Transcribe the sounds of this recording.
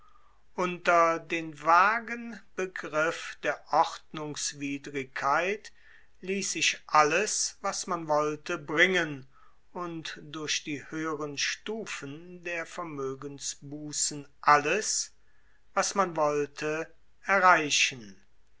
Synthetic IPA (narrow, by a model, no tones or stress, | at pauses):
ʔʊntɐdeːnvaːɡənb̥əɡʁɪfd̥eːɐʔɔχtnʊŋsv̥iːdʁɪkʰːaɪt | liːsz̥ɪʃʔaləsvasmanvɔltəbʁɪŋən | ʊntd̥ʊɐʃd̥iːhøːəʁənʃtuːfəndeːɐfɛɐmøːɡənsbuːsən̩ʔaləs | vasmanvɔltʰə | ɛɐʁaɪʃən